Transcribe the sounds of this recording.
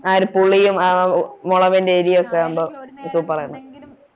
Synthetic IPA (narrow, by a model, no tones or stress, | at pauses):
aːɾupuɭːijumamoɭɐʋendeːɾijɐkːambosupːɐrɐjɐɳɐ